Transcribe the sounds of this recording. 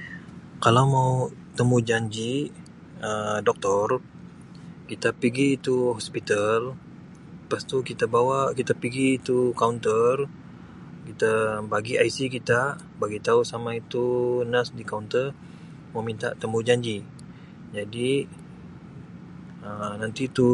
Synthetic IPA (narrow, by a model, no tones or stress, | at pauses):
kalawmaut̪əmud͡ʒaɲd͡ʒi | ədɔk̚t̪ɔr | kit̪apiɡiːt̪uhɔspit̪al | past̪ukit̪abawakit̪apiɡiːt̪ukaunt̪ər | kit̪abaɡiʔajsikit̪a | baɡit̪ausamait̪unasdikaunt̪ər | mawmint̪a̰ʔt̪əmud͡ʒaɲd͡ʒi | d͡ʒadi | ənant̪it̪u